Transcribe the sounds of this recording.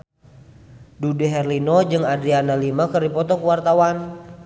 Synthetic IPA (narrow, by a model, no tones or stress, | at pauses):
dudɛɦɛrlinɔd͡ʒɨŋadɾianalimakɨrdipɔt̪ɔkuwart̪awan